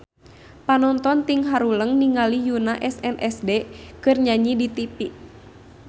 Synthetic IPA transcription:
panɔnt̪ɔnt̪iŋɦaɾuləŋniŋalijunaʔɛsɛnʔɛsdekɨrɲaɲidit̪ipiʔ

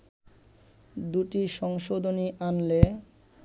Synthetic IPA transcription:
d̪uʈiʃɔŋʃod̪ʱoniʔanle

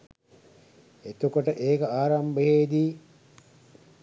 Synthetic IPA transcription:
et̪ukoʈəʔeːkɐaːɾambəɦeːd̪iː

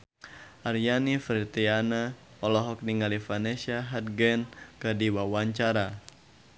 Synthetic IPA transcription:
ʔarjanifɾit̪iana | ɔlɔɦɔk̚niŋalifanɛsiaɦat̪̚ɡɛnkədiwawaɲt͡ʃaɾa

